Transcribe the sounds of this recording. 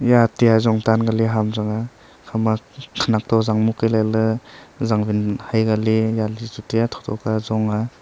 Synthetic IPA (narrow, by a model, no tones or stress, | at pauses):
jatijazɔŋtanɡaliɦamzaŋa | kʰamakʰanak̚tʰɔzaŋmukajlajlɯzaŋbinhajɡalijalizutijatʰɔ̥tʰɔ̰kazɔŋa